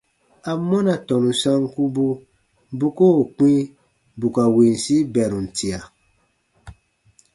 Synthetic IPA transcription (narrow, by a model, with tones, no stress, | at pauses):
a˨˦mːɔ˦na˨tɔ˨nũ˨sa˦ŋku˦bu˦ | bu˦ko˦˨k͡pĩ˦ | bu˨ka˨wi˨n˨si˦bɛ˨ɾũ˨n̩˨tʰi˨a˨